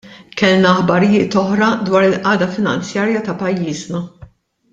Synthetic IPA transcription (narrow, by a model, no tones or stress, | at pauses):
kɛlnɐːħbɐɾɪjɪːt̪ɔħɾɐd̪wɐːɾɪlʔɐːd̪ɐfɪnɐnt͡sjɐːɾjɐt̪ɐpɐjːiːznɐ